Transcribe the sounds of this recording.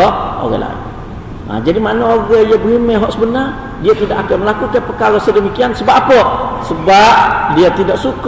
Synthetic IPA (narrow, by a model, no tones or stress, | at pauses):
ɔʔo̰ɣə̰la̰ | a̰d͡ʒadimanaoɣəjabəimɛɦɔʔsəbənar | diat̪idaʔakəməlakukajpəkaɾosədəmikiansəbaʔapəʔsəbap̚diat̪idaʔsuk